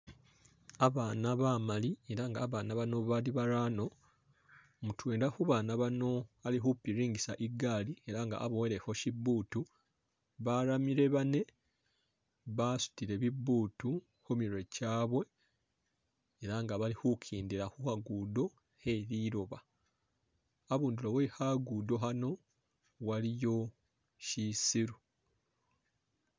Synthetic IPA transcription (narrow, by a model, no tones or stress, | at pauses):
aβaːnaβamalie̞ɾaŋɡaːβaːnaβano̞βaliβaɾaːno̞ | mutweːndaxuβaːnaβano̞alixupiɾiːŋɟisaʔiɡaːlie̞ɾaŋɡa̰ːβoweɾe̞ho̞cibuːtu | βaɾamiɾe̞βane̞ | βasu̥tiɾe̞βibːuːtu | xumiɾwe̞caːβwe̞ | ɾaŋɡaβalihukʰiːndiɾaxuhaɡudo̞ | heɾiɾoβa | aβuːndulo̞βwehaɡudo̞ɦano̞ | walijo̞ | ʃisiɾu